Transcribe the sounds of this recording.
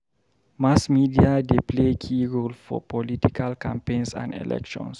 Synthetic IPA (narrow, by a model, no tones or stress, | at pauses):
masmidiadepʰlekʰiɹolfɔ̰pʰɔlitikʰalkʰãmpẽnsã̰ndɛ̰lɛ̰kʃɔ̰̃ns